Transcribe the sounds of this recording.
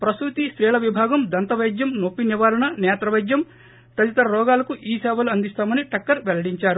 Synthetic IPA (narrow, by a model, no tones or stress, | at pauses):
pɾɐsɾut̪iʃɾɛːɭɐʋibʱaːɡɐmd̪ɐnt̪ɐʋɐjd͡ʒ̪jɐmnopːinjiʋaːɾɐɳɐnɛːt̪ɾɐʋɐjd͡ʒ̪jɐm | t̪ɐd̪it̪ɐɾɐɾɔːɡaːlɐkuʔiːsɛːʋɐluɐnd̪ist̪aːmɐniʈɐkːɐɾʋelɐɽiɲt͡ʃaːɾu